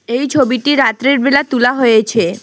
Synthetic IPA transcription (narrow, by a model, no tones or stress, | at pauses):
ejt͡ɕʰobiʈiɾat̪ɾeɾbelat̪ulaɦojet͡ɕʰe